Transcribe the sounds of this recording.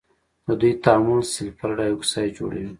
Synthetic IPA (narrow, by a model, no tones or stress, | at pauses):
d̪əd̪ujt̪aamʊlsɪlfaɾɖɑjuksɑjd͡ʒo̰ɽa̰wi